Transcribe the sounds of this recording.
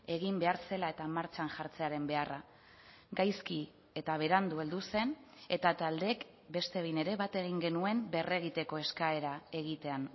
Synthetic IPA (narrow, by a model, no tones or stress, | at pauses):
e̞ɣ̞imbe̞aɾse̞lae̞t̪amaɾt͡ʃanʝaɾt͡se̞aɾe̞mbe̞ara | ɡajski | e̞t̪aβ̞e̞ɾand̪ue̞ld̪use̞ne̞t̪at̪ald̪e̞k | be̞st̪e̞βjne̞ɾe̞βat̪e̞ɣiŋɡe̞nue̞mbe̞re̞ɣ̞it̪e̞ko̞e̞skae̞ɾae̞ɣit̪e̞an